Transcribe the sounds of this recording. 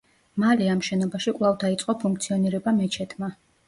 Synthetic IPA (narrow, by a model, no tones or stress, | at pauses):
malɛamʃɛnɔbaʃikʼvlˠavd̪ait̪sʼqʼɔpʰuŋk̚ʰt̪sʰiɔniɾɛbamɛt͡ʃʰɛt̪ʰma